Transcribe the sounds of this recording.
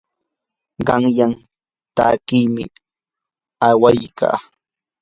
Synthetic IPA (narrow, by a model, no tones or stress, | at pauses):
ɢɑŋjam | t̪aːkijmɪ̰ | awajka̰ː